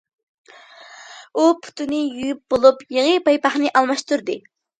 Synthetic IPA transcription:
upʰu̥t̪ynɪjyjyp̚bolˠupjeʁɨpɑjpɑχnɪʔɑlˠmɑʃt̪uɾd̪ɨ

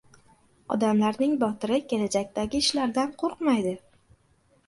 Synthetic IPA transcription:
ɒ̰d̪amlaɾnɪŋbɒt̪ʰɪɾɪkʲʰe̞lad͡ʒakʲt̪aɡʲɪːʃlaɾd̪anqʰoɾqmajd̪ɪ

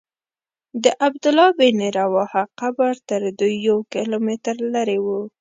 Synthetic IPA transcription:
d̪əʔabd̪ʊlɑbeneɾawɑhaqabaɾt̪əɾd̪ujːawkɪlomet̪ɾlaɾewu

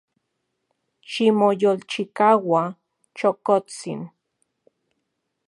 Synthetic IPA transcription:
ʃimojolt͡ʃikawa | t͡ʃokot͡sḭn

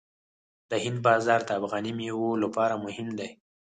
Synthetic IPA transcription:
d̪əhɪnd̪̚bɑzɑɾd̪əafɣɑnimewolapɑɾamʊhɪmd̪aj

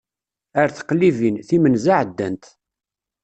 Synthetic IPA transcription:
əɾθə̥qlːivinθimənzaʕəd̪ːænt̪

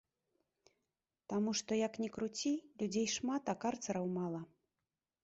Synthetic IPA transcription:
t̪amuʂt̪ɔjɐknʲɛkɾut͡sʲilʲud͡zʲejʂmat̪ɐkart̪sɐɾɐwmalˠɐ

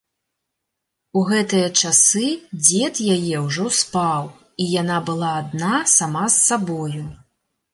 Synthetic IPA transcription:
uɣɛt̪ɨjɐt͡ʂasɨd͡zʲɛt̪jajɛwʐɔspaw | ijanabɨlˠaːd̪nasamasːabɔju

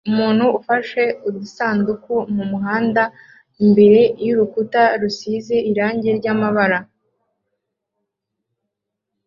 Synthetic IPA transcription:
umuːn̥huːfaʃe̞udusaːndukumumuɦaːnda | imbe̞ɾe̞juɾukutaɾusizeiɾaːɲɟe̞ɾɟamaβaɾa

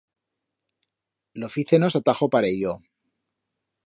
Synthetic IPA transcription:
lofiθenosat̪axopaɾejo

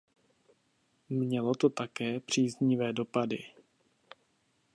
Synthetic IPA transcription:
mɲɛlo̞t̪o̞t̪akɛːpr̝̥iːzɲɪvɛːdo̞padɪ̰

